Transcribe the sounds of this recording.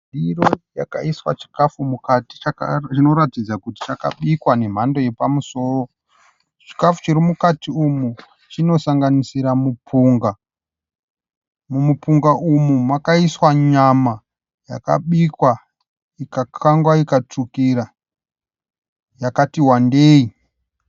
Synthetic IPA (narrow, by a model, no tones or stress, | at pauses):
diɾojaka̰iswa̰t͡ʃi̥kafumukati̥t͡ʃaa̰t͡ʃino̞ɾatid͡zakuti̥t͡ʃaka̰ɓikwane̞m̤ando̞je̞pamuso̞ːro̞ | t͡ʃi̥kafu̥t͡ʃiɾimukatiumu | t͡ʃino̞saŋɡanisiɾamupʰuːŋɡa | mumupuŋɡaumumakaiswaɲama | ja̰ka̰ɓikwa | ikakʰaŋɡwaikat͡ʂukiɾa | jakatiwande̞ːi